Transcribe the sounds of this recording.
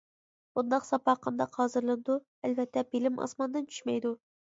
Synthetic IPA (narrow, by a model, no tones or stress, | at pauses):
b̥und̪ɑqsɑpɑqʰɑnd̪ɑqhɑːzɨɾlˠɨnɨd̪u | ɛlvɛt̪ʰːɛbilɪmɑ̰smɑnd̪ɨnt͡ʃʰy̥ʃmɛjd̪u